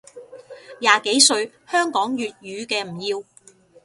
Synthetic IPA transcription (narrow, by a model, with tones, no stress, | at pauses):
jaː˨˧ke˨˥jsɵ˧ɥ | hœː˥ŋkɔː˨˥ŋjyː˨t̚jyː˨˧kɛː˧m̩˨˩jiː˧w